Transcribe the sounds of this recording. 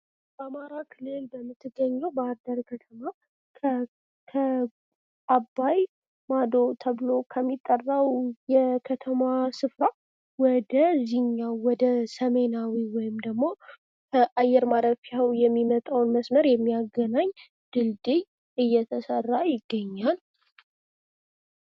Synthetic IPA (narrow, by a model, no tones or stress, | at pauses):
b̥amaɾakʰɨlːɨlbəmːɨt̪ʰːɨɡːəɲːawbəaɾd̪əɾkʰət̪ʰəma | kʰə | ʔabːaj | mad̪ot̪ʰəβlokʰəmːit̪ʼːərːawjɛkʰət̪ʰəmasɨfɾa | wɔd̪əziɲːawɔd̪əsəme̞nawiwɔjɪmd̪əɡmːo̞ | kʰəʔajɛɾmad̪əfiawjɛmːimət̪ʼawnməsməɾjɛmːijaɡənaɲː | d̪̥ɨld̪ej | ʔɨjːɛt̪ʰəsərːajɪɡːəɲːal